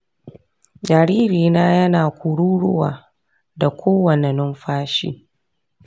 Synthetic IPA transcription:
d͡ʒaː˨ɾiː˦ɾiː˨naː˦jɐ˦naː˨kʷu˨ɽuː˦ɽʊ˦wa̰ː˨ | da˨kʷʰoː˦wɐ˨ne˨nʊ˦mɸaː˦ʃḭː˦

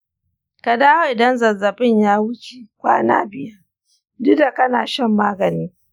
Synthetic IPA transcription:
ka˨daː˦wa˨ɪ˨dɐ˦nzɐ˨zɐ˨bɪ˦˨ɲjaː˦wʊ˦kʲi˦kʷa̰ː˦na̰ː˦bɪ˨ja˦ | dʊ˦da˨kɐ˦naː˨ʃɛ˦˨mːaː˦ɡɐ˨niː˦

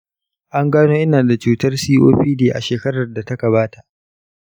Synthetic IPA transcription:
ʔa˦ŋɡaː˦noː˦ʔɪ˦naː˨da˨t͡ʃuː˨tɐ˦rsiː˦ʔoː˦ɸiː˦deː˨ʔa̰˨ʃeː˨kɐ˦ɽɐ˨rda˨tɐ˦ka˨βaː˦ta˨ʔ

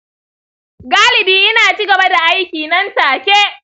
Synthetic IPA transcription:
ɡaː˦lɪ˨biː˦ʔɪ˦naː˨t͡ʃiː˦ɡɐ˨ba˦da˨ʔa˦jkʲiː˨nɐ˦nsaː˨kʲe˦ʔ

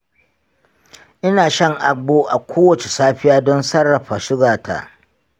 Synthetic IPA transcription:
ʔɪ˦naː˨ʃɐ˦ŋʔa˨ɡ͡boː˦ʔa̰˨kʷʰoː˦wɐ˨t͡ʃe˨saː˦ɸɪ˦jaː˦dɔ˦nsɐ˦rːɐ˨ɸa˨ʃɪ˦ɡaː˨tʰa̰˨ʔ

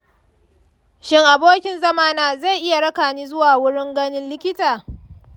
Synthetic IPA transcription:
ʃɪ˦ŋʔa˨boː˦kʲɪ˨nzɐ˦maː˦naː˨za˦˨jʔɪ˦ja˨ɽɐ˦kaː˨niː˦zʊ˦waː˨wʊ˦ɽɪ˦ŋɡɐ˦nɪ˦nlɪ˦kʲɪ˦taː˨

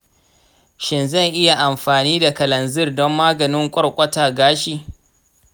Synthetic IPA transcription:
ʃɪ˨nzɐ˦˨ŋʔɪ˦ja˨ʔa˨mɸaː˨niː˦da˨kɐ˨lɐ˨nzɪ˦rdɔ˦mːaː˦ɡɐ˨nɪ˦ŋkʷʼɔ˦ɽkʷʼɐ˦taː˨ɡaː˦ʃiː˨

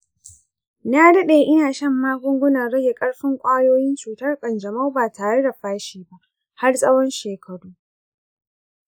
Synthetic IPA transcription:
naː˦dɐ˦ɗeː˨ʔɪ˦naː˨ʃɐ˦mːaː˦ɡʷʊ˦ŋɡʷʊ˦na˨ɽɐ˦ɡʲe˨kʼɐ˦ɽɸɪ˦ŋkʷʼaː˦joː˦jɪ˦nt͡ʃuː˨tɐ˦rkʼɐ˨nd͡ʒɐ˨ma˦wbaː˨taː˨ɽe˦da˨ɸaː˦ʃiː˨ba˦ʔ | ha˦rsʼɐ˦wɔ˦nʃeː˨kʰɐ˨ɽuː˦

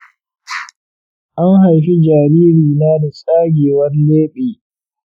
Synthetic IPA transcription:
ʔa˦ŋɦa˨jɸi˦d͡ʒaː˨ɾiː˦ɾiː˨naː˦da˨sʼaː˦ɡʲeː˨wɐ˦rleː˦ɓeː˨

